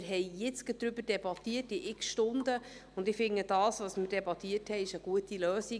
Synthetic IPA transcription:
ɾɦɛɪjɪt͡sɡəd̪̥ɾʏbəɾd̥ɛbɑt̪iətɪʔɪksʃtʊndəʊndɪfɪŋːəd̥ɑːsvʋɑsmɪɾd̥ɛbɑt̪iətʰhɛɪɪʃəɡ̥uətiløːsi

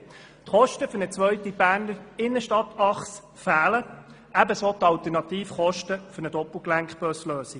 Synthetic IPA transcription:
t̪χɔʃtəfʏɾnət͡sʋœʏtib̥æːɾnəɪnːəʃtɑtɑχs | fæːlə | æbəsot̪ɑlt̪əɾnɑt̪iːfχɔʃtəfʏɾnəd̪ɔpl̩ˠklæŋkχbœsløːsi

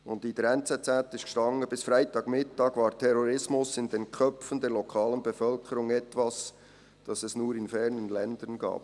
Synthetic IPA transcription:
ʊndid̥əɾɛnt͡sɛt͡sɛtːɪʃtkʃtɑŋːəbɪsfɾaɪtɑːɡmɪtɑːɡvaːɾtʰɛɾɔɾɪsmʊsɪndenkʰœpfən̩dɛːɾlɔkʰɑːlənbɛfœlkʰəɾʊŋɛtvɑs | d̥ɑsɛsnuːɾɪnfɛɾnənlɛndənɡa̰ːp

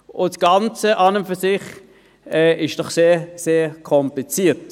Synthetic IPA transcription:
ʊsɡ̥ɑnt͡səʔɑnəmfysɪχ | ɛːʔɪʃd̥ɔχseːseːkʰɔmplit͡siːt

